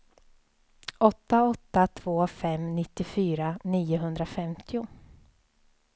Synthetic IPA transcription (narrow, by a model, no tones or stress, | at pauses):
ɔt̪ːaɔt̪ːat̪ʰv̥oːfɛmnɪt̪ːɪfyːɾaniːʊɦɵnd̪ɾafɛmt̪ʰɪʊ